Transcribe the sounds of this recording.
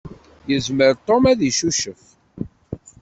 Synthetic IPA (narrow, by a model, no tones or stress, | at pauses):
jəzməɾt̪ˤomæðiʃuʃəf